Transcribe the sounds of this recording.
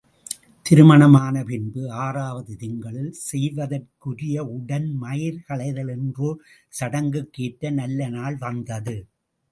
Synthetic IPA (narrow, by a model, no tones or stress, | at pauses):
t̪ɪɾɯmɐɳɐmaːnɐpɪnbɯaːraːʋɐðɯðɪŋɡɐɭɪlsɛjʋɐðɐrkɯrɪjɐʊɽɐnmɐjɪɾɣɐɭɐɪðɐlɛndroːsɐɽɐŋɡɯkːeːʈːɐnɐlːɐnaːɭʋɐnd̪ɐðɯ